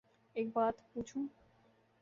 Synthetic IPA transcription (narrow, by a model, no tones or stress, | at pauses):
ek̚bad̪put͡ɕʰu